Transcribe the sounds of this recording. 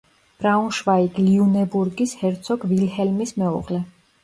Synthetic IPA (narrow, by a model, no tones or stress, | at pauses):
b̥ɾaũnʃvaiɡliunɛbuɾɡishɛɾt̪sʰɔɡvilhɛlmismɛɔ̰ʁlɛ